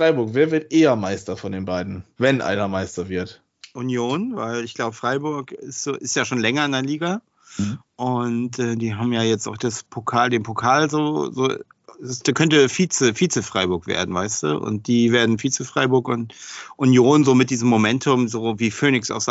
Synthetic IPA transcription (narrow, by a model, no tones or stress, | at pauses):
fʁ̥aɪbʊɐkveːɐvɪɐtʔeːɐmaɪstɐfɔndeːnbaɪdn̩vɛnʔa̰ɪnɐmaɪstɐvɪɐt | ʔʊnjoːnvaɪlɪçɡ̥laʊbəfʁ̥aɪbʊɐkɪstz̥oːʔɪstjaːʃoːnlɛŋɐɪndɛɐliːɡa | ʔʊntʔɛːdiːɦaːbm̩jaːjɛt͡stʔa̰ʊxd̥aspʰokʰaːldeːnpʰokʰaːlzoːzo̰ː | sd̥aːkʰœntəfiːt͡səfiːt͡səfʁ̥aɪbʊɐkv̥ḛːɐdn̩vaɪstd̥ṵːʔʊ̰nt̚d̥iːveːɐdn̩fiːt͡səfʁ̥aɪbʊɐkʊntʔʊnjoːnzoːmɪt̚d̥iːzəmːomɛntʰʊmzoːviːføːnɪksa̰ʊxz